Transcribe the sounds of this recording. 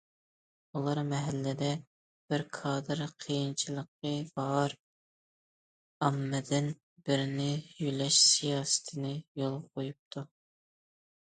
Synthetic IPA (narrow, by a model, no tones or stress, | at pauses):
ulˠɑɾmɛɦɛlːɪd̪ɛ | b̥ɪɾkʰɑːd̪ɨɾqʰijint͡ʃʰilˠəqːəbɑɾ | ɑmːɪd̪ɪn | bɪɾnɪjylɛʃsijɑːsɪ̥t̪ʰɪnɪjolˠqʰojup̚t̪ʰu